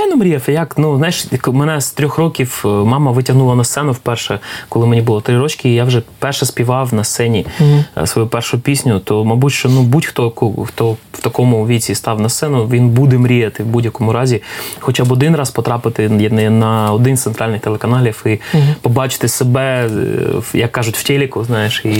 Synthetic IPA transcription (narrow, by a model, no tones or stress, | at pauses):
sɛnʊmɾʲijɛfɛjaknuznɑjɛʃkmɛnɛst̪ɾʲɔxrɔkʲiwmɑmɐʋɪtʲɐɦnulˠɐnɐst̪sɛnʊwpɛrʃɛkɔlˠɪmenʲibʊlˠɔt̪ɾɪɾɔt͡ʃkʲɪːjaʋʒɛpɛrʃɛspʲiʋɑwnɐst̪sɛnʲisʋɔjupɛrʃʊpʲisʲnʲʊt̪ɔmɐbutʲʃt͡ʃɔnubutʲxt̪ɔkɔxt̪ɔwt̪ɐkɔmʊʋʲit͡sʲist̪ɑwnɐst̪sɛnʊʋʲinbud̪ɛmɾʲijɐt̪ɪwbudʲjɐkɔmʊɾɑzʲixɔt͡ʃabɔd̪ɪnrɑspɔt̪ɾɑpɪt̪ɪnɐɔd̪ɪnst̪ent̪ɾɑlʲnɪxt̪elˠekɐnɑlʲifɪpɔbɑt͡ʃɪ̥t̪ɪsebɛ | jɐkːɑʒʊtʲwtʲelʲikʊznɑjeʃi